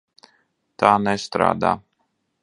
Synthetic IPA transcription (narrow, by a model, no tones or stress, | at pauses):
t̪aːnɛst̪ɾa̰ːd̪a̰ː